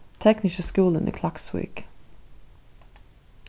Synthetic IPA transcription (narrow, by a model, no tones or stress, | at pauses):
t̪ʰɛknɪʃəskuːlənʔḭːkʰlɑkswḭːk